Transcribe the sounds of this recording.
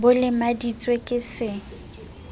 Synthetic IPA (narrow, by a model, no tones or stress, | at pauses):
bʊlɪmadit͡sʼwekʼɪsɪ